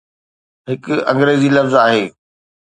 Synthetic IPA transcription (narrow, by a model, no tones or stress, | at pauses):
ɦɪkʊɐ̃ŋɡɾeːzilɐfzaːɦeː